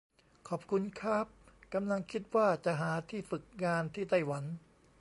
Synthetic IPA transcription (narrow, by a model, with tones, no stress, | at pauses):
kʰɔː˨˩p̚kʰu˧nkʰɾa˦˥˩p̚ka˧mla˧ŋkʰi˦˥t̪̚waː˥˩t͡ɕa˨˩ʔɦaː˩˦t̪ʰiː˥˩fɯ˨˩k̚ŋaː˧nt̪ʰiː˥˩t̪a˥˩jwa˩˦n